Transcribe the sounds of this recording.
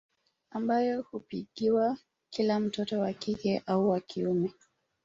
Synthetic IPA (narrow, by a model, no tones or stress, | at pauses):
ambajɔhupiɠiwa | kilam̩tɔtɔwakikɛʔauwakʰiumɛ